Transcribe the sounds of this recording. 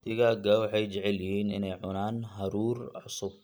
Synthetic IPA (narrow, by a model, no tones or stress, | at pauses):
t̪ʰɪɣaːɡawħɑjt͡ʃɛʕɛljɪɦiːnɪnɛjʕʊnaːnɦɐɾuːrʕʊsʊb̚